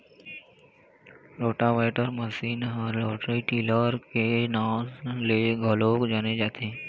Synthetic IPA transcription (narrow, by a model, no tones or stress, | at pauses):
ɾoʈaʋajʈəɾməsiːnɦəɾloʈɾiʈiləɾkenawzleɡʱəlokd͡ʒaned͡ʒaːt̪ʰe